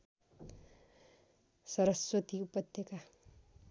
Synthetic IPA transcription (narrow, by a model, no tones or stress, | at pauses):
sʌɾʌswʌt̪iupʌt̪jeka